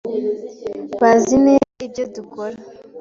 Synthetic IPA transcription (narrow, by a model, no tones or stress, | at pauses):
βazineibɟodukoɾa